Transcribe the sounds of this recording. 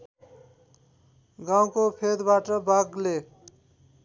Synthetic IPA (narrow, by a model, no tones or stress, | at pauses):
ɡaw̃kopʰed̪baʈʌbaɡle